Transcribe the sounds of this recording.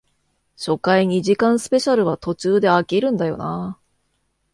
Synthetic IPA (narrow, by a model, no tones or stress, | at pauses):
ɕo̞kaiɲ̟iʑikãɰ̃sɨ̥pe̞ɕaɾɯ̟βat̪o̞t͡ɕɨːd̪e̞akʲiɾɯ̟̃nd̪ajo̞̰na